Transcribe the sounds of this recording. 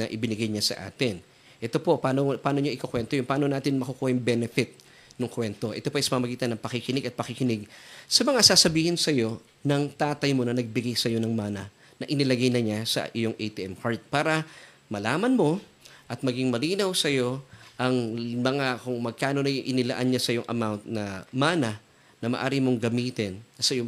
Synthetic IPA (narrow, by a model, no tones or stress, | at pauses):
nɐʔɪbɪnɪɡajɲasɐ̰ʔa̰ːt̪ɪn | ʔɛt̪o̞po̞paːnopaːno̞ɲoʔɪkokwɛnt̪ojʊŋpaːno̞naːt̪ɪnmɐkokuːhɪŋbɛnɛfɪt̪̚ | noŋkwɛnt̪o̞ʔɛ̰t̪o̞poʔɐjsɐmɐɐmɐɡiːt̪ɐnːɐŋpɐkɪkɪnɪɡɐt̪̚pɐkɪkɪnɪɡ̚sɐmɐŋasaːsɐbiːhɪnsɐjo̞ | nɐŋt̪aːt̪ɐjmo̞nɐnɐɡ̚bɪɡajsɐjo̞nɐŋmaːnɐ | nɐʔɪnɪlɐɡajnɐɲasɐ̰ʔɪjo̞ŋʔɛjt̪iʔɛmkaɹt̪̚paːɾɐ | mɐlaːmɐnmo̞ | ʔɐt̪̚mɐɡiŋmɐliːnɐwsɐjo̞ʔɐŋmɐŋakʊŋmɐɡ̚kaːno̞nɐjʊŋʔɪnɪlɐ̰ʔanɲasɐjoŋʔɐ̰mawnt̪̚nɐmaːnɐ | nɐmɐ̰ʔaːɾɪmo̞ŋɡɐmiːt̪ɪnɐsɐjo